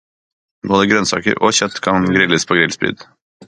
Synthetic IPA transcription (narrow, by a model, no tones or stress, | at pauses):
boːd̪əɡɾœnsɑ̰ːkə̰ɾoːçœt̪kʰɑnɡɾɪləspʰoːɡɾɪlspɾy̰ːd̪